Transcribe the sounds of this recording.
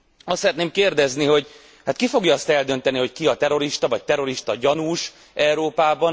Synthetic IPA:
ɒst̪sɛɾɛt̪neːmkeːrd̪ɛzniɦo̞ɟ | hat̪kifo̞ɡjɒɒst̪ɛld̪ø̞nt̪ɛniɦo̞ckiɒt̪ɛɾo̞ɾiʃt̪ɒvɒc̚t̪ɛɾo̞ɾiʃt̪ɒɟɒnuːʃ | ʔɛuɾoːpaːbɒn

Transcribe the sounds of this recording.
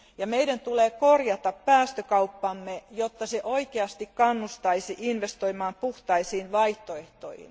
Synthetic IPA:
jɑmeidænt̪uleːkorjɑt̪ɑppæːst̪økɑupːɑmːejot̪ːɑseʔoikeɑst̪ikkɑnːust̪ɑisiʔinʋest̪oimɑːmpuht̪ɑisiːnʋɑiht̪oeht̪o̰ihḭn

